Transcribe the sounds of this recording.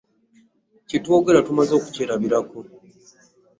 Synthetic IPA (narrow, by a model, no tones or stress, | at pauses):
citwoɡeɾatumazo̞ːku̥ceɾaβiɾako